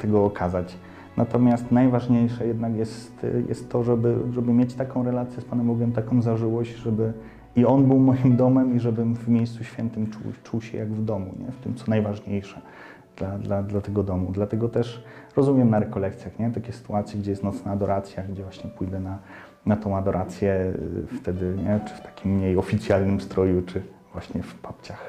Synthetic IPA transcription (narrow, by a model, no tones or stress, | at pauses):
t̪ɛɡɔːkʰazat͡ɕ | nʔat̪ɔmʲjast̪najvaʐɲejʂɛjɛd̪nakjɛst̪jɛ̰st̪ːɔʐɛbɘʐɛbɘmʲjet͡ɕt̪akɔ̃w̃ɾɛlat̪sʲjɛspanɛmɔɡʲɛmt̪akɔ̃w̃zaʐɘwɔɕd͡ʑʐɛbɘ | iɔnbɘwmɔjimd̪ɔmɛmiʐɛbɘmvmʲjejst̪suɕfʲjɛnt̪ɘmt͡ʂṵwt͡ʂuwɕɛ̰jaɡvd̪ɔmṵɲɛ̰ft̪ɘmt̪sɔnajvaʐɲejʂɛ | d̪̥lad̪lad̪lat̪ɛɡɔd̪ɔmud̪lat̪ɛɡɔt̪ɛʂɾɔzumʲjɛmnaɾɛkɔlɛk̚t̪sʲjaxɲɛt̪akʲɛsɘ̥t̪uat̪sʲjɛɡd͡ʑɛjɛst̪nɔt̪snaːd̪ɔɾʔat̪sʲjaɡd͡ʑɛvwaɕɲɛpujd̪ɛna | nat̪ɔ̃w̃ad̪ɔɾʔat̪sʲjɛ̰ft̪ɛd̪ɘɲɛt͡ʂɘ̥ft̪ḁkʲimːɲejɔfʲit̪sʲjalnɘmst̪ɾɔjut͡ʂɘ | vwaɕɲɛfpap̚t͡ɕax